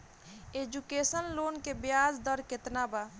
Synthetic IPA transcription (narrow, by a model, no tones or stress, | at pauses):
eːd͡ʒukeːsənloːnkebjaːd͡ʒd̪ɔɾkɪt̪naba